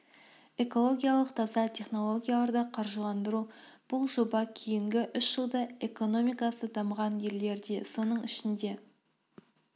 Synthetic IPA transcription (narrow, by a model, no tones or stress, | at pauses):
e̞ko̞lˠo̞ɡʲijalˠəqt̪ʰɑzɑt̪ʲʰe̞χno̞lˠo̞ɡʲijalˠɑɾd̪əqʰɑɾʒulˠɑnd̪əɾub̥ʊlˠʒo̞bɑkʲʰejɪŋɡʲɪʔʏʃʒ̥əlˠd̪əeko̞no̞mijkɑsəd̪ɑmʁɑnje̞lːe̞ɾd̪e̞so̞nəɴɪʃɪnd̪e̞